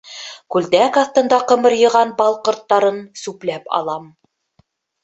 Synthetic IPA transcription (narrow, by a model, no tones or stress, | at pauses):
kʉld̪ækɑθt̪ɤ̆nd̪ɑqɤ̆mɤ̆ɾjɤ̆ʁɑnbɑlˠqŏɾt̪ːɑɾɤnsʉplæpɑ̰lˠɑm